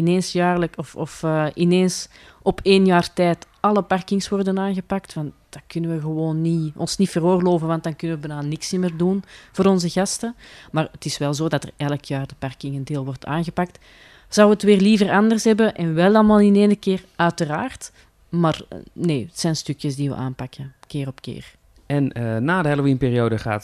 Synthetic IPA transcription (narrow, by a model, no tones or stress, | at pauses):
ɪneːnsjaːrləkɔfɔfːɪneːns | ɔpʰeːnjaːrtɛːt | ɑlˠəpɑrkɪŋswɔrdənaːnɣəpak̚tfɑntd̥ɑkʏnəʋəɣəʋoːnːiɔ̰nsnifəroːrloːvənʋɑnt̚dɑnkʏnəʋəbənaːnɪksɪməːrdunv̥oːɾɔnzəɣɑstəmaːrətɪsʋɛlˠzoːdɑtə̰rɛləkʰjaːrdəpɑrkɪŋəndeːlˠʋɔrta̰ːnɣəpak̚t | z̥ɑwʋəətʋɪːrlivərɑndərsɦɛbəʔɛnʋɛlˠɑlˠmaːlˠɪneːnəkɪːrœɥtəraːrt | maːrneːətsɛjnstʏkjəzdiʋə̰ʔaːmpɑkəkɪːrɔpkɪ̰ːr | ɛnənaːdəɦɛlowinpɪːɾioːdəχa̰ːt